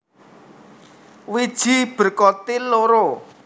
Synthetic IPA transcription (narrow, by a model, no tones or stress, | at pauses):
wid̥ʒ̥i̤b̥ə̤rkɔt̪iloɾo